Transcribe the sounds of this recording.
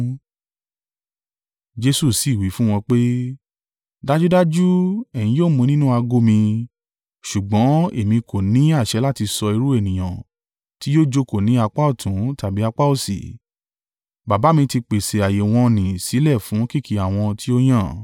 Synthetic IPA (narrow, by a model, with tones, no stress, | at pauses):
d͡ʒe˧su˦˨si˨wi˨˦fũ˦w̃ɔ̃˧k͡pe˦ | da˦d͡ʒu˦da˦d͡ʒu˦ɛ̃˨ĩ˨˦joː˦˨mũ˧nĩ˦nũ˦a˧ɡo˦mĩ˧ | ʃu˨ɡ͡bɔ̃˨˦e˦˨mĩ˧kʰo˨nĩ˨˦a˦˨ʃɛ˨˦la˦˨ti˧sɔ˧i˧ɾu˦e˦˨nĩ˨j̃ã̰˨ | ti˦joː˦˨d͡ʒo˦ko˨nĩ˨˦a˧k͡pa˦o˦˨tʰũ˨˦ta˨bi˨˦a˧k͡pa˦o˦˨sḭ˨ | ba˨ba˨˦mĩ˧ti˧k͡pe˨se˨a˨je˨w̃ɔ̃˧nĩ˨si˨˦lɛ˦˨fũ˨˦ki˦˨kʰi˧˦a˨w̃ɔ̃˧ti˦o˦j̃ã˦˨